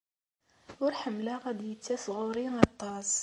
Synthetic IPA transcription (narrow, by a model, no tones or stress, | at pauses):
wʊɾħəmːlaʁæd̪jət͡sːæsˤɣʊɾiɑt̪ˤːɑs